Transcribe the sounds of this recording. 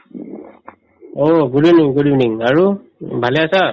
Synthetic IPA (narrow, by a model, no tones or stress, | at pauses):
oɡuɹiniŋɡuɾiniŋaɹu | bʱaleasa